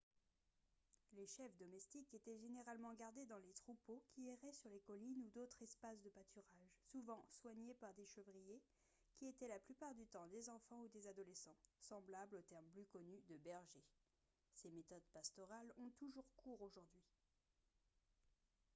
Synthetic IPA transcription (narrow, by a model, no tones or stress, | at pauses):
leʃɛfd̪ɔmɛst̪iket̪ɛʒeneʁalmɑ̃ɡaʁd̪ed̪ɑ̃let̪χupokʲiɛʁɛsyʁlekɔlinud̪ot̪χɛspasd̪əpat̪ʰyʁaʒsuvɑ̃swaɲepaʁd̪eʃəvʁije | kʲiet̪ɛlaplypaʁd̪yt̪ɑ̃d̪ezɑ̃fɑ̃ud̪ezad̪ɔlesɑ̃sɑ̃blablot̪ɛʁmplykɔnyd̪əbɛʁʒe | semet̪ɔd̪past̪ɔʁalɔ̃t̪uʒuʁkʰuʁoʒuʁd̪ɥi